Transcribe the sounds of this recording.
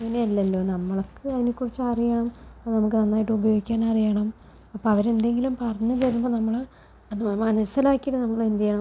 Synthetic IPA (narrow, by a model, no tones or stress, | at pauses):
ŋːɐneɐlːɐlːo̞ːnɐmːɐɭokːɨɐðinikʲːurit͡ɕːɐrijɐɳɐmɐðɨnɐmuk̬ːɨnɐnːaːjiʈːɨubɐjo̞ːɡikʲːaːnɐrijɐɳɐm | ɐpːoɐʋɐɾe̞nd̪e̞ŋɡilumpɐrɐɲːɨt͡ɕɐɾumboːnɐmːɐɭ | ɐðmɐnɐsɐlaːkːijiʈːɨnɐmːɐɭind̪jɐjɐɳɐm